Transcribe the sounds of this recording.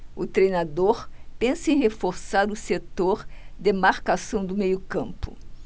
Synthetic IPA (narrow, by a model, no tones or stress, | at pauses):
ʊt̪ɾejnad̪oɾpẽsɐẽj̃ɦefoɾsaɾʊset̪oɾd̪emaɾkasɐ̃w̃d̪ʊmejʊkɐ̃mpʊ̰